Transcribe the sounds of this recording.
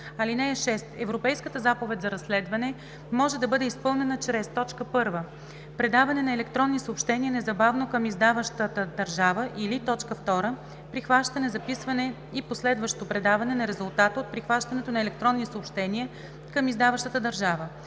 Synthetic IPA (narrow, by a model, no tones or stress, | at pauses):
ɐlinɛɛʃɛst̪ɛvɾopɛjskət̪əzapovɛt̪ʲzɐɾɐslɛd̪vɐnɛ | mɔʒɛd̪ɐbɤd̪ɛispɤlˠnɛnət͡ʃɾɛst̪ɔt͡ʃkəpɤɾvə | pɾɛd̪avɐnɛnɐɛlɛkt̪ɾɔnːisoːpʃt̪ɛniənɛzɐbavnokəmizd̪avəʃt̪ət̪əd̪ɐɾʒavəʔilit̪ɔt͡ʃkəft̪ɔɾə | pɾixvaʃt̪ɐnɛzɐpisvɐnɛ | iposlɛd̪vəʃt̪ot̪opɾɛd̪avɐnɛnɐɾɛzʊlˠt̪at̪əot̪̚pɾixvaʃt̪ɐnɛt̪onɐɛlɛk̚t̪ɾɔnːisoopʃt̪ɛniə | kəmizd̪avɐʃt̪ət̪əd̪ɐɾʒavə